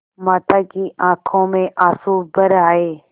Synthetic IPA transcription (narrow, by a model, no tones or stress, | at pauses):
maːt̪akiʔãːkʰõmẽʔaːsuːbəɾaːeː